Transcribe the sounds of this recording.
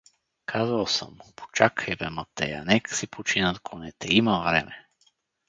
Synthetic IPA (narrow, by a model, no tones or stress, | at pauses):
kʰazəlˠsə̰mpo̥t͡ʃakɛbɛmət̪ːɛ̰ja̰nɛksipʰot͡ʃinət̪kʰonɛt̪ɛimɐvɾɛ̰mɛ